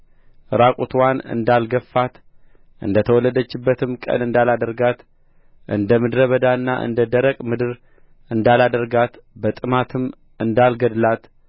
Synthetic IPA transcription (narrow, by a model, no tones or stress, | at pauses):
ɨɾakʼut̪ʰwanɨ̰nd̪alɡəfːat̪ | ʔɨ̰nd̪ət̪ʰəwɔləd̪ət͡ʃːɪbːət̪ʰɨmkʼə̰nɨnd̪alad̪əɾɡat̪ | ʔɨ̰nd̪əmɨd̪ɾəβəd̪anːa̰ʔɨ̰nd̪əd̪əɾəkʼmɨd̪ɨɾ | ɨnd̪alad̪əɾɡat̪bət̪ʼɨmat̪ʰɨm | ɨnd̪alɡəd̪lat̪